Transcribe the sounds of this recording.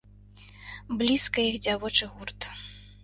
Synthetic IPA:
blʲiskɐjixd͡zʲavɔt͡ʂɨɣurt̪

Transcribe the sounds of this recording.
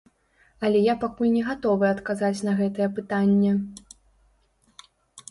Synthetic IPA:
ɐlʲɛjapakulʲnʲɛɣat̪ɔvɨɐt̪kazat͡sʲnɐɣɛt̪ɐjɛpɨt̪anʲːɛ

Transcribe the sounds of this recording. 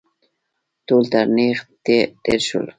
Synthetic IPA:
t̪ult̪aɾniχt̪ed̪eɾʃʊ̰l

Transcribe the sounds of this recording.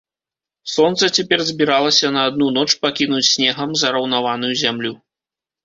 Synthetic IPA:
sɔnt̪sɐt͡sʲɛpʲɛrzʲbʲiɾalˠɐsʲɐnɐːd̪̚nunɔt͡ʂpakʲinut͡sʲsʲnʲɛɣɐmzɐɾɐwnavanujuzʲamlʲu

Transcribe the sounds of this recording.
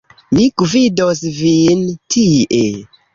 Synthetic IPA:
mikvidosvintʰiʔe

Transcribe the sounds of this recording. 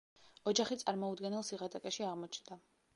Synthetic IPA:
ɔd͡ʒaχit̪sʼaɾmɔud̪ɡɛnɛlˠsiʁat̪ʼakʼɛʃiaʁmɔt͡ʃʰnd̪a

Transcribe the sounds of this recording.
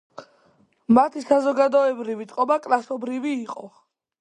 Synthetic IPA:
mat̪ʰisazɔɡad̪ɔɛbɾivit̪ʼqʼɔbakʼlˠasɔbɾiviːqʼɔ

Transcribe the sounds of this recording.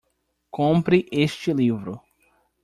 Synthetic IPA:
kõmpɾɪʔeʃt͡ʃɪlivɾʊ

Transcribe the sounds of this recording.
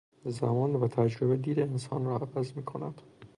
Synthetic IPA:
zæmɒːnvæt̪ʰæd͡ʒɾe̞bed̪iːd̪eːnsɒːnɾɒːævæzmiːkʰo̞næ̰d̪̥

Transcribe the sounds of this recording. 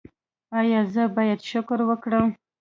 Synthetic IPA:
ɑjɑzəbɑjad̪ʃʊkɾwəkɽəm

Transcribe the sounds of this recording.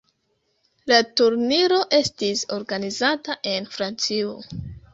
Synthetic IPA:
latuɾniɾo̞ʔe̞stiso̞ɾɡanizataʔe̞nfɾant͡sio

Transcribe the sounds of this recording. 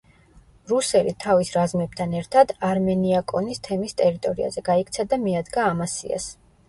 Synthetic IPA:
ɾusɛlḭt̪ʰavisɾazmɛb̚t̪ʰanɛɾt̪ʰad̪aɾmɛniakʼɔnist̪ʰɛmist̪ʼɛɾit̪ʼɔɾia̰zɛɡaik̚ʰʼt̪sʰad̪amiad̪ɡaːmasḭa̰s

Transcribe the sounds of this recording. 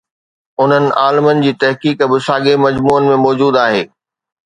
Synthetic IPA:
ʊn̤ənɪ̆ʔaːlɪmənɪ̆d͡ʑiːt̪ɐɦkiːkbɪsaːɡemɐd͡ʑmuːənɪ̆mẽmɔːd͡ʑuːd̪aːɦḛː

